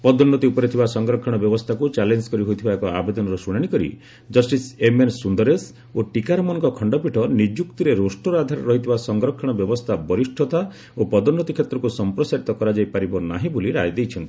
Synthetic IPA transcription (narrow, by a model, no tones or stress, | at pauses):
pɔd̪ɔnːɔt̪iupɔɾet̪ʰibasɔŋɡɾɔkʰːɔɽ̃ɔbjɔbɔst̪ʰakut͡ʃalend͡ʒkɔɾiɦojt̪ʰibaekɔabed̪ɔnɔɾɔsuɽ̃aɽ̃ikɔɾḭ | d͡ʒɔsʈisemensund̪ɔɾes | oʈikaɾɔmɔnɔ̃ŋkɔkʰɔɳɖɔpiʈʰɔnid͡ʒjukt̪iɾeɾosʈɔɾɔad̪ʱaɾɔɾɔɦit̪ʰibasɔŋɡɾɔkʰːɔɽ̃ɔbjɔbɔst̪ʰabɔɾisʈʰɔt̪a | opɔd̪ɔnːɔt̪ikʰet̪ɾɔkusɔmpɾɔsaɾit̪ɔkɔɾad͡ʒajpaɾibɔna̰ɦĩbuliɾajd̪ejt͡ʃʰɔnt̪i